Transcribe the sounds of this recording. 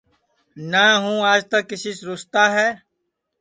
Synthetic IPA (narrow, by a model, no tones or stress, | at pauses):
naːɦũːaːd͡ʒt̪əkːɪsiːsɾʊst̪aːɦɛː